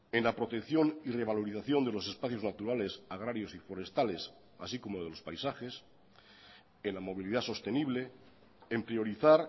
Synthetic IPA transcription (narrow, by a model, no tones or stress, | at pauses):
enlapɾo̞t̪e̞kθjo̞nireβ̞aloɾiθaθjo̞nd̪elo̞se̞spaθjo̞znat̪uɾale̞saɣ̞ɾaɾjo̞sifoɾe̞st̪ale̞s | a̰siko̞moðelospajsaxes | enlamo̞β̞iliðaso̞st̪eniβ̞le | empɾio̞ɾiθaɾ